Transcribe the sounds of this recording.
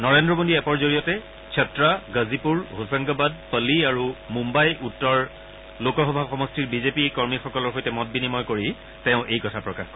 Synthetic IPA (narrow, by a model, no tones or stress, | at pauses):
nɔɹendɹɔmodiɛpɔɹzoɹijɔtɛ | kʰɛtɹaɡəzipuɹɦosaŋɡabad̚pəliaɹumumbajʔutːɔɹ | lokɔxɔbʱaxɔmɔstiɹbizepikɔɹmixɔkɔlɔɹxojtɛmɔt̚binimɔjkoɹi | tɛʊ̃ʔejkɔtʰapɹɔkaxk